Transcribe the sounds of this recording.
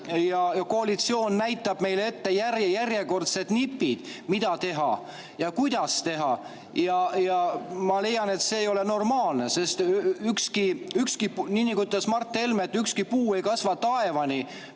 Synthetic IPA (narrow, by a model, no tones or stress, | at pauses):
jɑjɑko̞ɑlit̪sio̞ːnnæjt̪ːˑɑb̥me̞jle̞t̪ːe̞jærjærjeko̞rt̪set̪nipːˑid̪̥ | mid̪̥ɑt̪e̞ɦɑ̰ | jɑkujd̪̥ɑst̪e̞ɦɑ | jɑjɑmɑle̞jɑne̞t̪se̞ːjo̞le̞no̞rmɑːlne̞se̞st̪ykskiykskininʲːikut̪ːˑɑsmɑrt̪ːˑe̞lmet̪ːˑykskipuːe̞jkɑsvɑt̪ːɑe̞vɑni